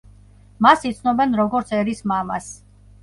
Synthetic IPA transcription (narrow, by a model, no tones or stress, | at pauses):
masit̪sʰnɔbɛnɾɔɡɔɾt̪sʰɛɾismamas